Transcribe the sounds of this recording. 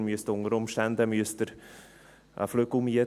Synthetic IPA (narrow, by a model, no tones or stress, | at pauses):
myəstʊŋəɾʊmʃtænd̪əmyəst̪əɾ | ʔə̰fløɡ̥l̩miə